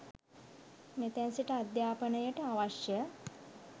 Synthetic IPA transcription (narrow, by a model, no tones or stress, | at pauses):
met̪ænsiʈəad̪jaːpənəjəʈəaʋaʃjə